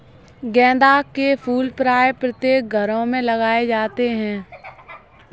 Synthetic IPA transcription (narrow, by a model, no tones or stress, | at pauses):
ɡɛ̃ːd̪aːkepʰuːlpɾaːjpɾət̪jeːk̚ɡʱəɾõmẽləɡaːed͡ʒaːt̪eɦɛ̃ː